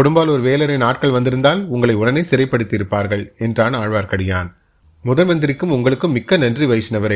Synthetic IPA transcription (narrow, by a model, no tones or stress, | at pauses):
kɔɽɯmbaːlɔɾɯʋeːlɐɾɐɪnaːʈ̚kɐɭʋɐnd̪ɪɾɯnd̪aːlʊŋɡɐɭɐɪʊɽɐnɐɪsɪɾɐɪpːɐɽɯt̪ːiɪɾɯpːaːɾɣɐɭɛndraːnɐaːɻʋaːɾkɐɽɪjaːn | mʊðɐnmɐnd̪ɪɾɪkːɯmʊŋɡɐɭɯkːɯmːɪkːɐnɐndriʋɐɪt͡ʃːɪnɐʋɐɾɐɪ